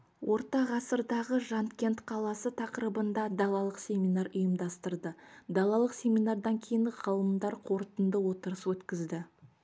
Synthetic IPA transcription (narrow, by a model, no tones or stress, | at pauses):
wʔo̞ɾt̪ɑʁɑsəɾd̪ɑʁəʒɑnt̪kʲe̞nt̪qʰɑlˠɑsət̪ʰɑqəɾəbənd̪ɑd̪ɑlˠɑlˠəqsʲe̞minɑɾʊjəmd̪ɑst̪əɾd̪əd̪ɑlˠɑlˠəqsʲe̞mijnard̪ɑŋkʲʰejɪŋʁɑlˠəmd̪ɑɾqʰo̞ɾt̪ənd̪əwo̞t̪əɾəswɵt̪kʲɪzd̪ɪ